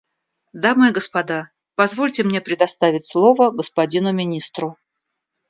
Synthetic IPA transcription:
d̪amɨjəɡəspɐd̪a | pɐzvo̞lʲtʲɪmnʲe̞pɾʲɪd̪ɐst̪avʲɪtʲslˠo̞vəɡəspɐdʲinʊmʲɪnʲist̪ɾʊ

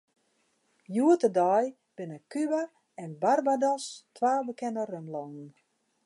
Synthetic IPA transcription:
juətədɔj | b̥ɪnəkyba | ɛnbarbadɔstʰʋaːbəkɛnərømlɔnn̩

